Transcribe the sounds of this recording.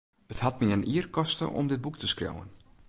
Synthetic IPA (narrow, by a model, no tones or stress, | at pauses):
əthat̚miənʔiərkɔstə̰ʔɔ̰mdɪt̚buktʰəskro̰wə̰n